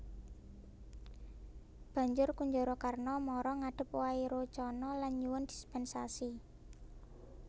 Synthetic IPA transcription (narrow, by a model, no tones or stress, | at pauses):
b̥ä̤ɲd͡ʒʊrkuɲd͡ʒɔɾɔkarnɔmɔɾɔŋaɖ̥ə̤p̚waiɾot͡ʃɔnɔlanɲuwʊnd̪̥i̤̥spɛnsasi